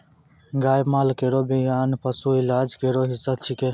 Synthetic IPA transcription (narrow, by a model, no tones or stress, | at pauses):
ɡaːjbmaːlkeɾoːbijaːnpɐsuːilaːd͡ʒkeɾoːɦisət̪̚t͡ʃʰikeː